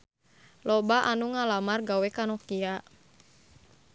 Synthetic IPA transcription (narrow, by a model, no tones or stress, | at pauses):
lɔbaʔanuŋalamarɡawɛkanɔkiaʔ